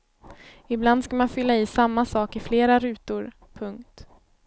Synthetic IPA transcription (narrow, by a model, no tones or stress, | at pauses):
ɪbland̪skamanfʏlːaɪːsamːasɑːkɪfleːɾaɾʉ̟ːt̪ʊɾ | pʰɵŋkt̪